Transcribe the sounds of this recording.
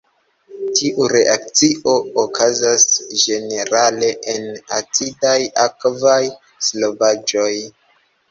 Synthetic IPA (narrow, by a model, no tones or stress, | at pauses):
tʰiʔuɾe̞ʔak̚t͡siʔo̞okʰazasd͡ʒe̞ne̞ɾale̞ʔenat͡sidajakvaj | slo̞vad͡ʒo̞j